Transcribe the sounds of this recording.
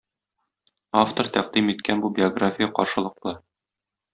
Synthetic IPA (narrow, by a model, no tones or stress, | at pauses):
aft̪oɾt̪æq̚d̪imit̪kænbubʲɪoɡrafʲɪjəqɒɾʃɤ̆lˠɤ̆qlˠɤ